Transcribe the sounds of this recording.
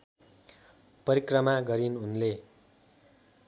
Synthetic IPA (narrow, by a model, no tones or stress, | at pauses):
pʌɾikrʌmaɡʌɾinunle